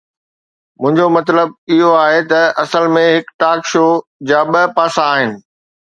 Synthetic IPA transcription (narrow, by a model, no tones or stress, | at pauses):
mʊ̃ɦɪ̃ɲd͡ʑomɐt̪ləb̚ɪɦoaːɦet̪ɐʔɐsəlmẽɦɪkʈaːkʃoːd͡ʑaːɓɐpaːsãːɦɪnɪ̆